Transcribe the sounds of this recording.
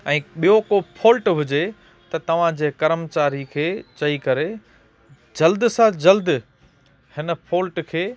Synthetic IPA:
ɛ̃ːɓijokopʰoːlʈɦʊd͡ʑe | t̪ɐt̪ɐʋ̤ãd͡ʑeːkɐɾəmt͡ɕaːɾikʰeːt͡ɕɐikɐɾe | d͡ʑɐld̪sãd͡ʑɐld̪ | hɪnə̆pʰoːlʈkʰeː

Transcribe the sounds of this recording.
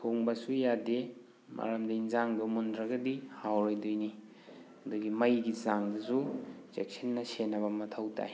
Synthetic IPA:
tʰoŋbɐsujade | mʔa̰ɾamdɐinzaŋbɐmundɾɐɡɐdihawɾojdojni | ɐduɡimɐjɡizaŋdɐsuzek̚sʰenːɐsenːɐbɐmɐtʰɐwta̰j

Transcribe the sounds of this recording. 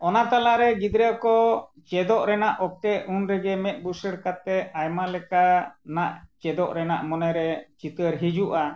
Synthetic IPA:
ɔnat̪alaɾɛɡid̪ɾəkɔ | t͡ʃɛd̪ɔʔɾɛnaʔɔk̚tɛunɾɛɡɛmɛt̪̚ˀbusəɽkat̪ɛajmalɛkanaʔt͡ʃɛd̪ɔʔɾɛnaʔmɔnɛɾɛt͡ʃit̪əɾɦid͡ʒuʔa

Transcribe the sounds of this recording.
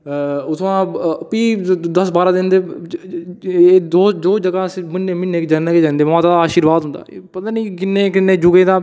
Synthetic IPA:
ʊt̪ʰãːpiːd̪əsbaːɾãːd̪ɪnd̪eː | eːd̪oːd͡ʒoːd͡ʒəɡãːsmɪnːẽːmɪneːkd͡ʒənəked͡ʒɛ̃ːnd̪eːaːt̪aːd̪aaːʃiːɾʋaːd̪ɦʊ̃nd̪a̰ːpət̪aːniːkɪnːeːkɪnːẽːd͡ʒʊɡẽːd̪ãː

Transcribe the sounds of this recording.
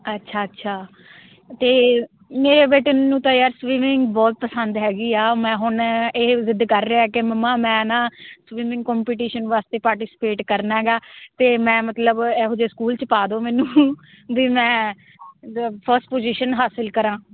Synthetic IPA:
ətːʃʰaːətːʃʰaː | t̪eː | meːɾeːbeːʈennũːt̪ãːjaːɾsʋiːmɪŋɡbɔːt̪̚pəsənd̪ɦɛːɡiːaːmɛ̃ːɦʊɳeːzɪd̪kəɾːeaɛːkeməmːãːmɛ̃ːnãːsʋiːmɪ̃ŋɡ̚kɔːmpiːʈiːʃənʋaːst̪eːpaːɾʈiːsɪ̥peːʈkəɾnaɦɛːɡaːt̪eːmɛ̃ːmət̪ləbɛːɦoːd͡ʒeːskuːlt͡ʃəpaːd̪oːmɛːnũː | ʋiːmɛ̃ː | əpʰəɾsʈpoːziːʃənɦaːsəlkəɾãː

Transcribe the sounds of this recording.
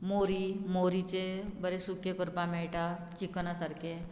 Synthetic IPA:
moɾimoɾit͡ɕebəɾesukekəɾpameɭʈat͡ɕiknasaɾkʰe

